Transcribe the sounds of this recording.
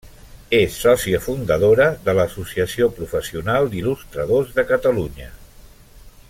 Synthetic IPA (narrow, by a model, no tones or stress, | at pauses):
esːɔsiəfund̪əðoɾəðələːsusiəsiopɾufəsiunalˠd̪ilust̪ɾəð̞ozðəkət̪əluɲə